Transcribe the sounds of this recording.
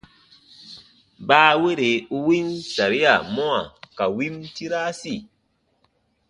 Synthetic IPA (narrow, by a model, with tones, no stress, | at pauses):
baː˦we˦ɾe˨u˦wi˦nsa˨ɾi˦a˨mɔ˦a˨ka˨wi˦mti˦ɾa˦si˦˨